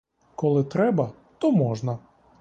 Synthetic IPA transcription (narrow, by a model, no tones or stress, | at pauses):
kɔlˠɪt̪ɾɛbɐ | t̪ɔmɔʒnɐ